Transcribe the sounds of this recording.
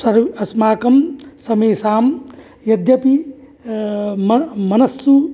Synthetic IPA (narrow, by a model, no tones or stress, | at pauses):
sɐɾɐsmaːkɐmsɐmeːsaːm | jɐd̪jɐpi | mmɐnɐsːu